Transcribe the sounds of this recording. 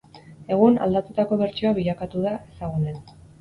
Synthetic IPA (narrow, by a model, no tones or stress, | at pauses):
e̞ɣ̞una̰ld̪at̪ut̪ako̞βe̞ɾt͡ʃioaβ̞iʎakat̪uðae̞saɣ̞unen